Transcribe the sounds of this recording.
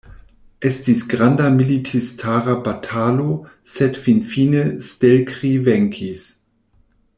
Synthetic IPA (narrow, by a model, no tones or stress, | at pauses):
ʔɛstisɡʁandamilitʰistʰaːʁabatʰaːlo | sɛtfinfiːnəstɛlkʁivɛŋkʰis